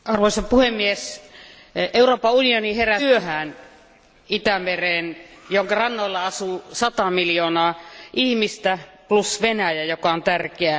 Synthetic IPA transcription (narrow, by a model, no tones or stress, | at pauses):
ɑrʋoisɑpuhemːies | euroːpɑunioniheræyøhæːn | it̪æmereːnjoŋkɑrɑnːoilːɑɑsuːsɑt̪ɑmiljoːnɑːʔihmist̪æplusʋenæjæjokɑont̪ærkeæ